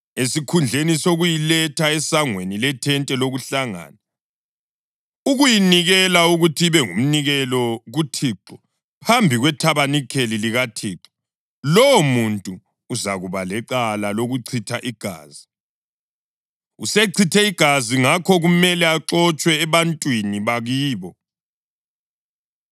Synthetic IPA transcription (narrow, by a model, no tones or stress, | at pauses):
esikʰund͡ɮʱenisoɣujilɛtʰaɛsaŋwenilɛtʰɛntʼɛloɣuɬaŋa̰ːna | uɣujiniɣɛlauɣutʰiβɛŋum̩niɣɛlɔɣutʰiːǁɔ | pʰambʱiɣwɛtʰaβanikʰeliliɣatʰiːǁɔ̥ | lɔwɔmuntʼuː | zaɣuβalɛǀalaloɣuǀʰitʰaʔiɡ̥ʱa̰ːzi | useǀʰitʰɛiɡ̥ʱaziŋakʰɔɣumɛlɛaǁɔt͡ʃʼwɛːβantʼwiniβaɣiːβɔ